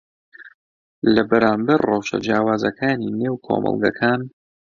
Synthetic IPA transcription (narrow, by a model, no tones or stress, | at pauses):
lɐbɛɾaːmbɐɾrɑwʃɐ̰d͡ʒjaːwaːzɐkʰaːnineːwkʰo̰ːmʔɨ̰lˠɡɐkʰaːn